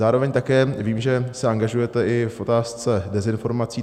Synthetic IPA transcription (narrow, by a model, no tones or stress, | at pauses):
aːɾo̞vɛɲt̪akɛːviːmʒɛsɛaŋɡaʒujɛt̪ɛʔɪfʔo̞t̪aːst͡sɛdɛzɪnfo̞ɾmat͡siː